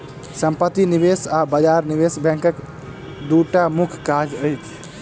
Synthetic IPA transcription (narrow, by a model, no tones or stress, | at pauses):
səmpət̪inibesabad͡ʒaɾnibesbʱɛ̃ŋkək | d̪uʈamukʰkad͡ʒəjt͡ʃʰ